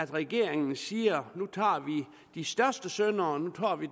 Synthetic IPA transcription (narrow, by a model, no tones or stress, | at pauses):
æd̥ʁɛɡ̥e̝ɐ̰eŋn̩siːɐnut͡sʰɑ̰̈ːʋi | d̥isd̥ɶɐsd̥əsønɐːnut͡sʰɑ̰̈ːʋi